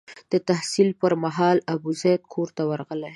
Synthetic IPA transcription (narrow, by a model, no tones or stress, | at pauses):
d̪̥ət̪ahsilpəɾmaɦɑlabuzat̪̚kʰoɾt̪awaɾɣəle